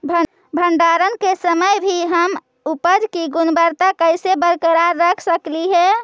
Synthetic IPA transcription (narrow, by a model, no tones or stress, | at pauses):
bʱ | bʱəɳɖaɾənkesəməjbʱiɦəm | upəd͡ʒkiɡʊnbəɾt̪akəɪsebəɾkəɾaɾːəkʰsəkliɦɛ